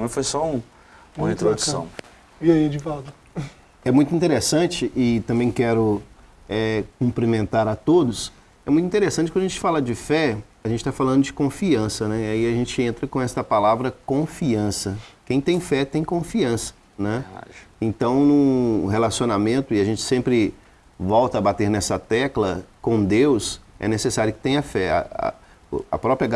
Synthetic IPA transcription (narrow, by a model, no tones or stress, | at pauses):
nɐ̃fojsɔũ | ũmɐĩt̪ɾod̪usɐ̰̃w̃ | iaid͡ʒɪfat̪ɐ | ɛmũj̃t̪ʊĩt̪eɾesɐ̃t͡ʃɪʔɪt̪ɐ̃mbẽj̃kɛɾʊ | ɛkũpɾimẽnt̪aɾɐt̪od̪ʊs | ɛmũt̪ĩt̪eɾesɐ̃t͡ʃɪkɐ̃d̪ɐʒẽt͡ʃɪ̥falɐd͡ʒɪfɛɐʒẽnt͡ʃɪ̥t̪afalɐ̃nd̪ʊd͡ʒɪkõfiɐ̃sɐnɛiaiɐʒẽnt͡ʃɪẽnt̪ɾɐkõɛst̪ɐpalavɾɐkõfiɐ̃sɐkẽj̃t̪ẽj̃fɛt̪ẽj̃kõfiɐ̃sɐ̥ | nɛẽnt̪ɐ̃w̃nʊ̃ɦelasionamẽnt̪ʊɪaʒẽnt͡ʃɪ̥sẽmpɾɪ | vɔwt̪ɐabat̪eɾnɛsɐt̪ɛklɐkõw̃d̪ewsɛ̰nesesaɾjʊkɪ̥t̪ẽj̃ɐfɛa̰ | ɐ̰pɾɔpɾjɐ